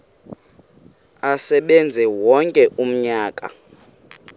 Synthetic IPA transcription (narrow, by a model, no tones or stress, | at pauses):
asɛɓɛnd͡zʱɛwɔŋkʼɛʔum̩ɲaːkʼa̰